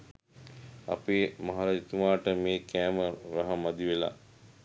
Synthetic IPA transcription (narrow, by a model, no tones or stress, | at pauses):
a̰peːmaɦaɾait̪umaːʈəmeːkæːməɾaɦamad̪iʋela̰